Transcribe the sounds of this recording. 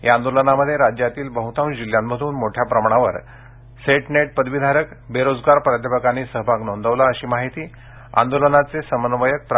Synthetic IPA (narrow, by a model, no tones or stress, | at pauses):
jaːnd̪olənaməd̪ʱːjeɾad͡ʑjat̪iːlbəɦut̪ʰaund͡ʑiljamːəd̪ʱuːnmoʈʰjapɾəmaɳ̃aʋə̰ɾ | seʈneʈ̚pəd̪ʋid̪ʱaɾəkbeɾod͡zɡaɾpɾad̪ʱjəpəkaniːsəɦbʱaɡnond̪əʋlaəɕiːmaɦit̪iː | a̰nd̪olənat͡sesəmənʋəjək̚pɾ